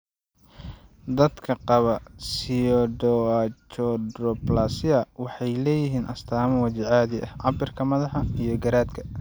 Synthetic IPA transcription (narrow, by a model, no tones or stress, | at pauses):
d̪ɐd̪kʰɐqɑβɐsijɔɖɔt͡ʃɔɖrɔplaːsɪɐwɑħɑjlɛːjɪɦiːnʔɐst̪ʰaːmɐwɐt͡ʃɪʕaːðɪʔɐ̰ʕɑbɪrkʰɐmɐðɑħɑijɞɡɐɾaːd̪kʰɐ̥